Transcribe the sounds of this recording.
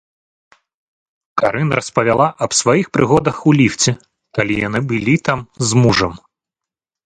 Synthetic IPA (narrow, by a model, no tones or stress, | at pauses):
kaɾɨnrʔɐspɐvʲalˠaʔɐbsvajixpɾɨɣɔd̪ɐxulʲift͡sʲɛ | kalʲija̰nɨbɨlʲit̪amzmuʐɐm